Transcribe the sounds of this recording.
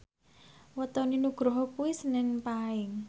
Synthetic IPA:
wət̪ɔninuɡ̥ɾɔɦɔkuwisənɪŋpaɪŋ

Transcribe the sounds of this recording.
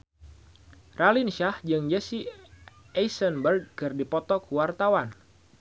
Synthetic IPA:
ralinʃahd͡ʒɨŋd͡ʒɛsi | ɛjsənbərɡkɨrdipɔt̪ɔkuwart̪awan

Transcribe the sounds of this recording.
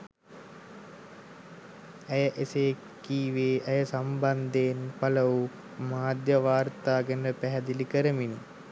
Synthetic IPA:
əjəʔese | kːiːʋeːʔəjəsamband̪eːnpaləʋu | maːd̪jəʋaːrt̪aːɡənələpæɦɛd̪ilikəɾəmini

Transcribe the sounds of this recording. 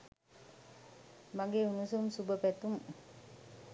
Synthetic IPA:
maŋɡeunusumsubəpɛt̪um

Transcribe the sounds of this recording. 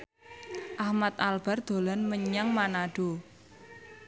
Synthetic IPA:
ʔahmat̪̚alb̥a̤rd̪̥o̤lanməɲaŋmanaɖ̥o̤

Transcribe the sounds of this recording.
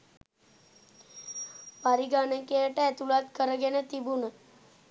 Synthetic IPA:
paɾiɡanəkejəʈəɛt̪ulat̪kəɾəɡenət̪ibunə

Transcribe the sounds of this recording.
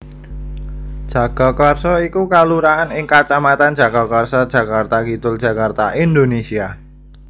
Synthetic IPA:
d̥ʒ̥a̤ɡ̥a̤karsɔikukaluɾaanɪŋkat͡ʃamat̪and̥d͡ʒ̥a̤ɡ̥a̤karsɔd̥ʒ̥a̤kart̪akit̪ʊld̥ʒ̥ä̤kart̪aʔind̪onesia

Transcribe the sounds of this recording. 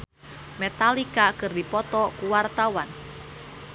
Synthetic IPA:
met̪alikakɨrdipɔt̪ɔkuwart̪awan

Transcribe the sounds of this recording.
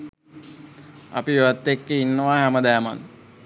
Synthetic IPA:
ɐ̰piʋat̪ːekːeinːəʋaɦæməd̪æːma̰n

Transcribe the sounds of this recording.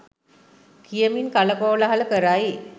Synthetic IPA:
kijəminkaləkoːlaɦaləkəɾai

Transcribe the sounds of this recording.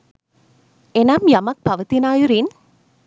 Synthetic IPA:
enamjamak̚bʱaʋət̪inajuɾin

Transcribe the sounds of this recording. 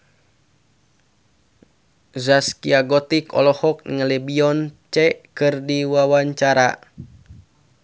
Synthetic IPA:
zaskiaɡɔt̪ikɔ̰lɔhɔk̚nŋəlɛbiɔnt͡ʃɛkɨrdiwawaɲt͡ʃaɾa

